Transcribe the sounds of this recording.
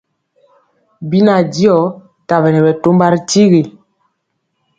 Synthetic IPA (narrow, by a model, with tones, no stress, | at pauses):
bi˦na˨di˦ɔ˨˦ | ta˨bɛ˨nɛ˨bɛ˨to˦mba˦ɾi˦ti˦ɣi˨